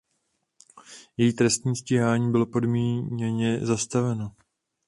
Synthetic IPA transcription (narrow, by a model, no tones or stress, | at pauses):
jɛjiːt̪ɾɛst̪ɲiːsciɦaːɲiːbɪlo̞po̞dmiːɲɛɲɛzast̪avɛno